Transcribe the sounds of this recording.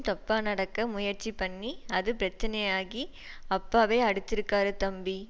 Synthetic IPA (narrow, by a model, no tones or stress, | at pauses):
t̪ɐpːaːnɐɽɐkːɐmʊjɐɾt͡ʃipɐɳːiɐðɯpɪɾɐt͡ʃːɐnɐjaːɣi | ɐpːaːʋeːɐɽɯt̪ːɪɾɯkːaːɾɯt̪ɐmbi